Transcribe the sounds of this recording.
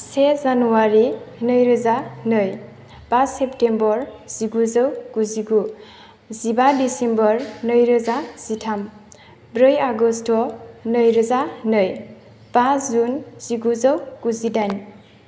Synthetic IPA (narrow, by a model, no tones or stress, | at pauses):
sezanuwaɾinɯjɾɯzanɯj | paseptembɔɹz̥iɡuzəwkuziɡu | zibadisembɔɹnɯjɾɯzaz̥itʰam | bɾɯjaɡɔstɔnɯjɾɯzanɯj | paszunz̥iɡuzəwkuzidajn